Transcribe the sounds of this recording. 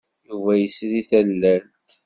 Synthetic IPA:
juvæjəsɾiθælːænt̪

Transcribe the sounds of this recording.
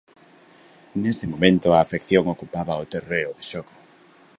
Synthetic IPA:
nesɪmomẽnt̪ʊaːfekθjoŋokupaβɐot̪ereʊðɪʃɔko̥

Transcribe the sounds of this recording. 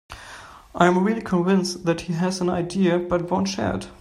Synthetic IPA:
ʔaɪə̃mɹilˠikʰə̃nvɪ̃nsðæthiɨzə̃naɪdiɨbʌt̚wõʊ̃ntʃɛ̰ɹd̥

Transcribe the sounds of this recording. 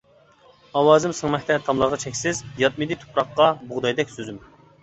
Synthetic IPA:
ɑwɑːzɨmsəŋmɛkʲt̪ʰɛt̪ʰɑmlˠɑɾʁɑt͡ʃʰɛkʲsɪzjɑt̪̚mid̪ɨt̪ʰu̥pʰɾɑqːɑbʊʁd̪ɑjd̪ɛkʲsøzym

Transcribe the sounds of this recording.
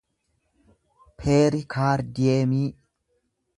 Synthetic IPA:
pʰeːɾɪkʰaːɾd̪ɪeːmiː

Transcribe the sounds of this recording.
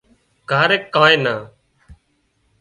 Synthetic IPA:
kaːɾeːkːãːẽːnaː

